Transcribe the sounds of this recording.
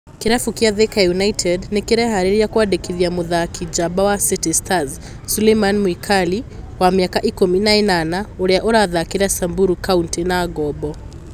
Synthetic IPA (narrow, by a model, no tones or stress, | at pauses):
kiɾafukiaðɛkajunaitʰɛdnikiɾɛhaɾiɾijakuaɗɛkiðiamuðakʰid͡ʒabawasitistaz | sulemanmwikʰali | wamiakaʔikuminainanauɾiaʔuɾaðakiɾasambuɾukauntinaːɡɔbɔ